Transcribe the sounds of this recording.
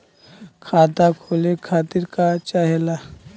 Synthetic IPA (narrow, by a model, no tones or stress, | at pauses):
kʰaːt̪akʰoːlekʰaːt̪ɪɾkat͡ʃaɦɛla